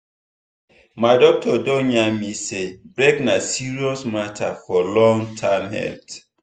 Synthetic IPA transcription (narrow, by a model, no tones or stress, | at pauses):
maɪdɔk̚tʰɔdoɲamisebɾeknasiɹiɔsmatʰa̰fɔlɔ̃ŋtʰãmhɛ̰lt